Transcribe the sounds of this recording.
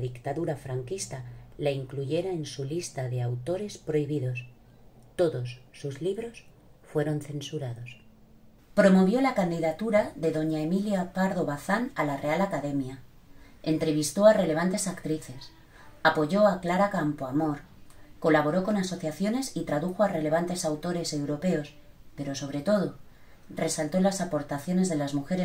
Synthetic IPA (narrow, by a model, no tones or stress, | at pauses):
ðikt̪aðuɾafɾaŋkist̪alaiŋkluʝe̞ɾaensulist̪aðe̞awt̪o̞ɾe̞spɾo̞iβiðo̞s | t̪o̞ðo̞sːuzliβɾo̞s | fwe̞ɾo̞nθe̞nsuɾaðo̞s | pɾo̞mo̞β̞jo̞lakand̪iðat̪uɾaðe̞ðo̞ɲae̞miljapaɾðo̞βaθanalare̞alakaðe̞mja | e̞nt̪ɾe̞β̞ist̪o̞are̞le̞β̞ant̪e̞sakt̪ɾiθe̞s | apo̞ʝo̞aklaɾakampoamo̞ɾ | ko̞laβ̞o̞ɾo̞ko̞naso̞θjaθjo̞ne̞sit̪ɾaðuxo̞are̞le̞β̞ant̪e̞sawt̪o̞ɾe̞se̞wɾo̞pe̞o̞s | pe̞ɾo̞so̞β̞ɾe̞t̪o̞ð̞o̞ | re̞salt̪o̞lasapo̞ɾt̪aθjo̞ne̞zðe̞lazmuxe̞ɾe